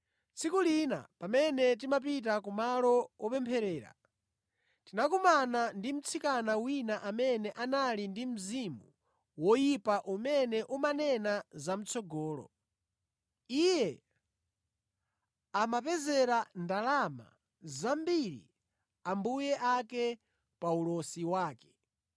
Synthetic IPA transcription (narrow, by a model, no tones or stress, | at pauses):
t͡sʰikulina̰pamɛnɛt̬imap̬it̬akumalɔwɔpɛmpʰɛɾɛːɾa̰ | tinak̬umanandim̩t͡sʰikanawinaʔamɛnɛʔanalindim̩zimu | wɔjipaʔumɛnɛʔumanɛnazam̩t͡sʰɔɡɔːlɔ̰ | ijɛ | amapɛzɛɾandalama̰ | zambiɾḭ | ambujɛʔakɛ | paulɔsiwaːkɛ̥